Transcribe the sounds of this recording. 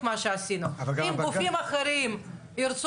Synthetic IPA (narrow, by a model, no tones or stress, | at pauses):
maʃeasinuimɡufimaχeɾim | iɾt͡s